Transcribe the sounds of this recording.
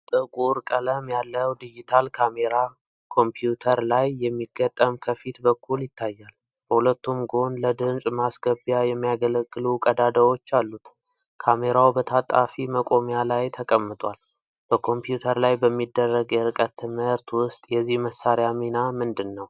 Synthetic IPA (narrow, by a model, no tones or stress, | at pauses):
t̪ʼɨkʼuɾkʼələmjalːəwd̪id͡ʒit̪ʰalkʰame̞ɾa | kʰo̞mpʰjut̪ʰəɾlajːɛmːiɡ̥ət̪ʼːəmkʰəfit̪bəkʰːuljɪt̪ʰːajːal | b̥əhulət̪ːumɡo̞nləd̪ɨnsʼmasɡəbjajɛmːijaɡələɡːɨlukʼəd̪ad̪əwo̞t͡ʃːalːut̪ | kʰame̞ɾawbət̪ʰat̪ʼa̰fiməkʼo̞mjalajt̪ʰəkʼəmːɨt̪ʼwal | b̥əkʰo̞mpjut̪ʰəɾlajbəmːid̪ːərːəɡjɛɾɨkʼət̪ːɨmɨɾt̪wʊst̪ʼjɛzːihməsːaɾjaminamɨnd̪ɨnːəw